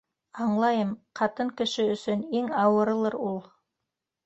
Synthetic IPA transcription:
ɑɴlˠɑjɤmqʰɑt̪ɤŋkɵ̆ʃɘɵ̆sɵneŋɑwɤ̆ɾɤ̆lˠɤɾulˠ

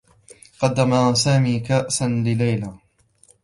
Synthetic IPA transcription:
qɑd̪ːamasaːmiːkaʔsanlɪlajla

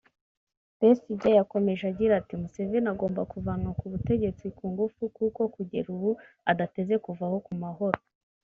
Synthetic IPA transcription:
b̥esiɟajako̞me̞ʒeaɡɟiɾatimuse̞veɾnaɡo̞ːmbakuvanokuβute̞ɟe̞t͡sikuːŋɡufukuko̞kuɟe̞̰ɾuβu | adate̞ze̞kuvaho̞kumaɦo̞ɾo

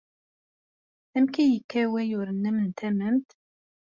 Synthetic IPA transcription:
æmkæjəkːæwæjʊɾənːæmənt̪ʰæməmt̪

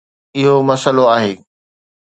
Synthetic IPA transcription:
ɪɦomɐsəloaːɦeː

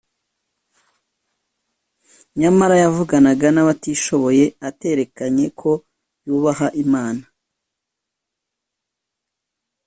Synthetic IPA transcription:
ɲamaɾajavuɡanaɡanaβatiːʃo̞βo̞je̞ate̞ɾe̞kaɲe̞kʰo̞ | juːβahaʔimaːna

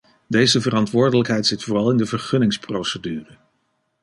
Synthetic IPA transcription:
dejzəvərɑntʋʊːɹdələkɦɛjtsɪtfʊːrɑlˠɪndəvəɹχɵnɪŋsprowsədyːrə

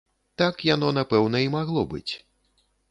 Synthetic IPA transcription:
t̪akjan̪ɔn̪apɛwnɐimaɣlˠɔbɨ̰t͡sʲ

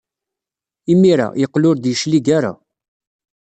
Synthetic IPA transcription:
imːiɾa̰jəqːlʊɾd̪jəʃliɡaɾa̰

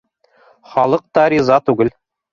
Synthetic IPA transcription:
χɑlˠɤq̚t̪ɑɾʲizɑt̪ʉɡɘl

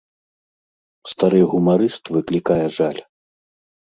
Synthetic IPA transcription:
st̪aɾɨjɣumaɾɨst̪vɨklʲikajɛʐalʲ

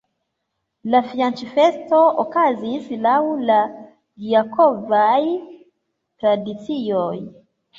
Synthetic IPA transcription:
lafiant͡ʃifɛstɔɔkaziisilahula | ɡiakʰɔvai | tɾadisijɔ

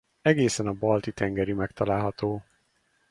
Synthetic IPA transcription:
ɛɡeːsɛnɒbɒlt̪it̪ɛŋɡɛɾimɛkt̪ɒlaːlɦɒt̪oː

